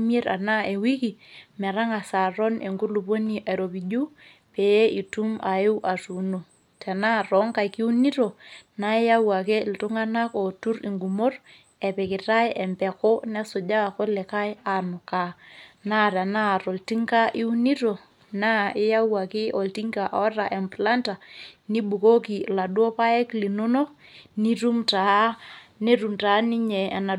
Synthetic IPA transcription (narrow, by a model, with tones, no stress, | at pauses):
m˦e˦ɾa̰˨na˦e˨wi˦ki˨mɛ˨ɾa˦ŋa˨sa˨ɾo˦nʔe˨ŋɡu˦ɾlu˨bo˦ni˨ʔa˨ɾo˨bi˨ɟu˦ | pe˨je˦i˨tu˦ma˨ju˦wʔa˨su˨no˨ | te˨na˦˨ɾɔ˨˦ŋka˨jki˦u˦ni˦to˨na˦i˦ja˦wa˨kɛ˦˨ltu˦ŋa˦na˦ko˨tu˦ɾḭ˨ŋɡu˨mo˦r | ɛ˨pɛ˨kɪ˨ta˦jɛ˨mpɛ˨kɔ˦na˦so˨ɟa˦a˨ko˦lɛ˨ka˦ja˨nu˨ka˨na˦˨ɾa˨na˦˨ɾo˨lti˦ŋka˦ʔi˦u˦ni˦ɾo˨ | na˦˨ɪ˦ja˦wa˨kɪ˦ʔɔ˨lti˦ŋka˨ʔɔ˦ɾa˨ʔɛ˨mpla˦nta˨ni˦bu˨ko˦ki˨la˨dwo˦pa˦ɛ˦kli˨no˦no˦ | ni˦ru˦mta˨ne˦ru˨mta˨˦ni˦ɲɛ˨a˨na˨